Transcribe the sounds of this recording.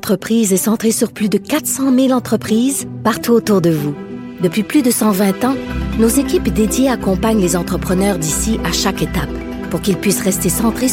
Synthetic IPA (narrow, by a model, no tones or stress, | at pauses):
t̪χəpχiːzɛsɑ̃t̪χesyʁplyd̪əkat̪sɑ̃milɑ̃t̪χəpχiːzpaʁt̪uot̪uʁd̪əvu | d̪əpɥiplyd̪əsɑ̃vɛ̃t̪ɑ̃nozekʲipd̪ed̪jeakɔ̃paɲlezɑ̃t̪χəpχənœʁd̪isiʔaʃaket̪ap | puʁkʲilpɥisʁɛst̪esɑ̃t̪χe